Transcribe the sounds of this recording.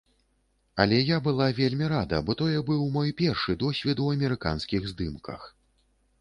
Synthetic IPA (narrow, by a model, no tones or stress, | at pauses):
ɐlʲɛjabɨlˠavʲelʲmʲiɾad̪ɐbɔt̪ɔjɛbɨwmɔjpʲɛrʂɨd̪ɔsʲvʲɛt̪uɐmʲɛɾɨka̰nskʲiɣzd̪ɨmkɐ̰x